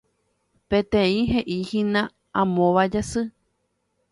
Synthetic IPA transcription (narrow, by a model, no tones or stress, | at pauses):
pẽt̪ẽĩɦeʔihĩnã | ãmõʋad͡ʒasɨ